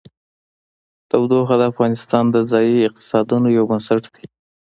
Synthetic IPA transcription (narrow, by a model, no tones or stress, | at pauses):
t̪awd̪oxad̪əafɣɑnɪst̪ɑnd̪əzɑjiɪq̚t̪ɪ̥sɑd̪unojawbənsaʈkəi